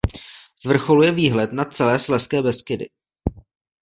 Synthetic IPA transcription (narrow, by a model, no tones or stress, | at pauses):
z̥vr̩xo̞lujɛviːɦlɛt̪nat͡sɛlɛːslɛskɛːbɛskɪdɪ̰